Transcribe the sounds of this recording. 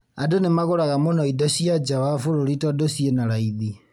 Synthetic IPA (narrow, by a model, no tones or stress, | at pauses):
adonemaɣoɾaɣamonɔidɔɕiad͡ʒawafoɾoɾitɔdosienaɾaiði